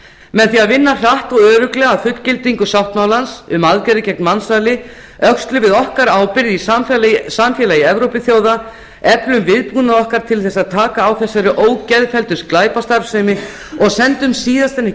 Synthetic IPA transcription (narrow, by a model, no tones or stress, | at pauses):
mɛðθiaðvɪnːar̥aht̪ɔɣœːɾʏklɛɣaːðfʏt̪cɪlt̪iŋkʏsjawht̪mawlansʏmaðkɛɾɪcɛk̚nmansaːlɪ | œkst̪lʏvɪðɔhkaɾaːwpɪɾðissamfjɛːlajɪɛvɾowpɪθjoːwða | ɛplʏmvɪðpuːnaðɔhkaɾ̥t̪ʰɪlθɛsːaðt̪ʰaːkaːwθɛsːaɾʏʔoːwcɛðfɛlt̪ʏ̥sklaːjpast̪aɾfsɛmɪ | ɔɣsɛnt̪ʏmsiːðast̪ɛnːɪ